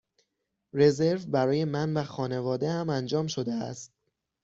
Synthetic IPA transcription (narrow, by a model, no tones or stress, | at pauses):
re̞ze̞ɾvbæɾɒːje̞mænvæxɒːne̞vɒːd̪ehæmænd͡ʒɒːmʃo̞d̪eæst̪̚